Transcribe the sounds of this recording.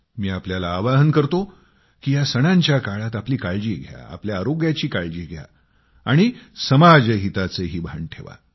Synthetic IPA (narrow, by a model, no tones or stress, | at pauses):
miːapljalaːʋaɦənkəɾt̪o | kiːjasəɽ̃ãɲt͡ɕjakaɭat̪apliːkaɭd͡ʑiːɡʱja̰a̰pljaːɾoɡjat͡ɕiːkaɭd͡ʑiːɡʱja̰ | aɽ̃isəmad͡zəɦit̪at͡seɦiːbʱaɳʈʰeʋa̰